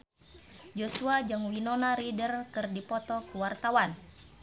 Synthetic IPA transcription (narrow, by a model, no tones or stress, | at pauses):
d͡ʒosuad͡ʒaŋwinɔnaɾidərkɨrdipɔt̪ɔkuwart̪awan